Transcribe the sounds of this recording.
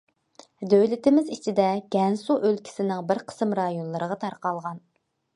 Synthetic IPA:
d̪øwlɪt̪ɪmɪzit͡ʃʰid̪ɛɡ̥ʲɛnsuʔølkʲʰi̥sɪnɪŋbɪɾqʰə̥sɨmɾɑjonlˠɨɾəʁɑt̪ʰɑɾqɑlˠʁɑn

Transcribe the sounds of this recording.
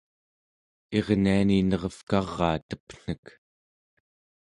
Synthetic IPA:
e̞ʁnianinʌʁʌfkɑʁːɑ̰ːt̪ə̥pn̥ək

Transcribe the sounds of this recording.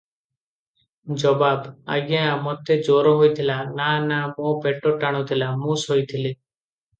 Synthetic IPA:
d͡ʒɔbaːba̰ːɡeãmɔt̪eːd͡ʒoːɾoːɦoit̪ʰɪlaːnaːnaːmõːpeːʈoːʈaːɽ̃õt̪ʰɪlaːmũːsɦoit̪ʰɪliː

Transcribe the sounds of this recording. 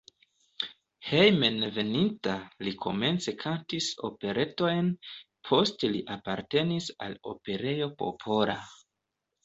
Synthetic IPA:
hejmenve̞nintalikʰo̞̰me̞nt͡se̞kʰantiso̞̰pe̞ɾʔe̞to̞jn | pʰo̞steliʔapaɾte̞nisa̰lo̞̰pe̞ɾe̞jo̞po̞̰pʰo̞ɾa̰

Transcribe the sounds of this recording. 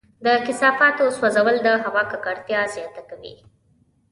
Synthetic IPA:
d̪əkɪsɑfɑt̪oswazawəld̪əɦawɑkakaɽt̪jɑzjɑt̪akawḭ

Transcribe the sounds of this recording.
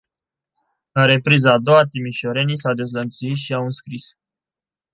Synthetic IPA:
laɾe̞pɾizaːd̪o̞wat̪imiʃoɾe̞nisawd̪e̞zlənt̪suit̪ʃiawɨnskɾis

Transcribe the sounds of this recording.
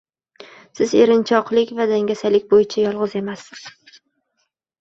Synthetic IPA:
sɪze̞ɾɪnt͡ʃʰɒqlˠɪkʲvad̪aŋɡʲasalɪkʲbojɪt͡ʃʰajɒlˠʁɨze̞masːɪz̥

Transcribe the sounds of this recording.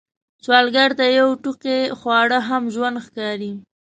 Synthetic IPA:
t͡ʃwɑlɡaɾt̪ajawʈuqexwɑɽəɦamʒwand̪xkɑɾi

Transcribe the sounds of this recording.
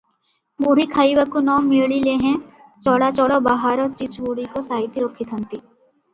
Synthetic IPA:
buːɽikʰaːiʋakunɔːmɪɭɭileɦɛ̃ | t͡ʃɔːɽat͡ʃɔːɽobaːɦaːɾɔːɾt͡ʃɪt͡ʃbuɽ̤ikosaːɦɪt̪iɾoːkʰɪt̪ʰɦə̃nt̪iː

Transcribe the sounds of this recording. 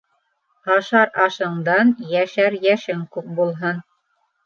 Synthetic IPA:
ɑʃɑɾɑʃɤ̆ɴd̪ɑnjæʃæɾjæʃɘŋkʉp̚bulˠɦɤn

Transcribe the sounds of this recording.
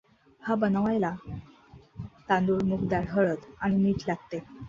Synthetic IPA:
habənʋajla | t̪ãnd̪uːɭmukd̪aɽɦəɭət̪aɽ̃iniːʈlaɡ̚t̪e

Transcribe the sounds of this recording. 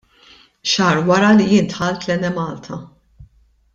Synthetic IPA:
ʃɐːɾwɐɾɐlijɪnt̪ħɐlt̪lɛnɛmɐːlt̪ʰɐ

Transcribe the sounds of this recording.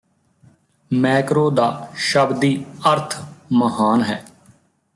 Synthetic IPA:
mɛːkɾoːd̪aːʃəbd̪iːəɾt̪ʰməhaːnɦɛː

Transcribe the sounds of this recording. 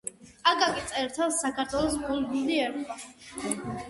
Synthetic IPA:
aɡakʼit̪sʼɛɾt̪ʰɛlˠsakʰaɾt̪ʰwɛlˠɔsɡuld̪ud̪iɛɾ

